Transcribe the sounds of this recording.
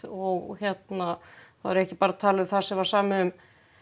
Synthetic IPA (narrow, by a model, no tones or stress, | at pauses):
ɔɣçjɛt̪naθaðɛɾɛhcɪpaːɾat̪ʰaːlʏθasɛvaɾsaːmɪʏm